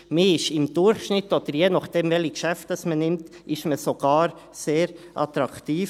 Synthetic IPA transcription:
miɪʃɪmd̥ʊɾχʃnɪtːɔd̥̪əɾjenɑχd̥ɛmvɛlikʃæftɑsmənɪmt | ʔɪʃməsoɡ̥ɑːɾ | seːɾʔɑt̪ɾɑktiːf

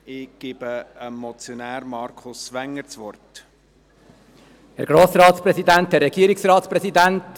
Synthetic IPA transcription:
ɪɡ̥ɪb̥əəmːɔt͡sjonæːɾmɑɾkʰʊsʋæŋːəɾt͡sʋɔrt | hɛɾɡ̥ɾoːsɾɑːtspɾɛsidænthɛɾːɛɡ̥iəɾiksɾɑːt̪spɾɛsidænt

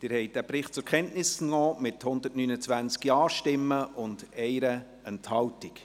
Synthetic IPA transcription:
d̥ɪːɾhɛɪt̚d̥æpɾɪχt̚t͡sʊɾkʰɛntnɪsɔːmɪthʊnd̪ətnynət͡sʋænt͡skjɑːʃtɪmːəʔʊnd̥ɛɪɾə | ɛnthɑltik

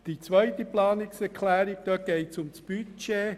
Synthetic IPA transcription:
d̥it͡svœʏtəplɑːnɪksɛkʰlɛːɾɪɡ̚d̥̪ɔt̚ɡ̥eɪtsʊmsb̥yt͡ʃeː

